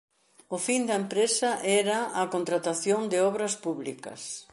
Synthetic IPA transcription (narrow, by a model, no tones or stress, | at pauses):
ʊfind̪ɐempɾesɐʔɛɾɐːkont̪ɾat̪aθjond̪ɪɔβɾɐspuβlḭkɐ̰s